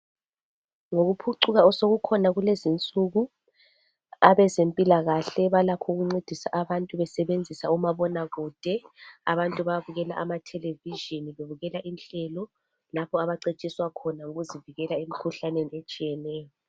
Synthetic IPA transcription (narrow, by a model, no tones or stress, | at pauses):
ŋoɣupʰuǀuɣaɔsoɣukʰɔnaɣulezint͡sʼuɣu | aβɛzempʼilaɣaɬɛβalakʰɔuɣuŋ͡ǀed̥ʱisa̰ʔaβantʼuβɛsɛβend͡zʱisaumaβɔnaɣuːd̥ʱɛa̰βantʼuβaβuɣɛla̰ʔamatʰɛleviʒiniβeβuɣɛlaʔinɬɛlɔ | lapʰɔaβaǀet͡ʃʼiswakʰɔnauɣuziviɣɛlaemikʰuɬaneniet͡ʃʼijɛnɛːjɔ